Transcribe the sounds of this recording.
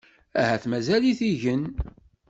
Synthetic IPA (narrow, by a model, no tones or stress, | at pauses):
æhæθmæzæliθiʝən